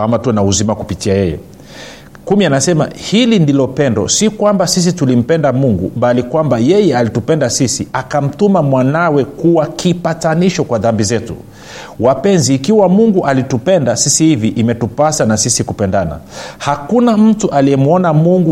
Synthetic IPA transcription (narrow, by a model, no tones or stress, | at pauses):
amatunauzimakupitiajɛjɛ̰ | kumianasɛma̰hilindilɔpɛndɔ̰sikwambasis̬itulim̩pɛndamuŋɡṵbalikwambajɛjɛalitupɛndasisiakam̩tumamwanawɛkuwakipataniʃɔkwaðambizɛtṵ | wapɛnziːkiwamuŋɡuʔalitupɛndasisihiviʔimɛtupasanasisikupɛndana̰hakunam̩tuʔaliɛmuɔnamuŋɡu